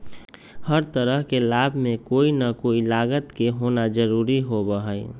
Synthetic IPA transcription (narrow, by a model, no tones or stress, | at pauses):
həɾt̪əɾəɦkelaːbʱmẽkoːinəkoːilaːɡət̪keɦoːnad͡ʒəɾuːɾiɦobəɦə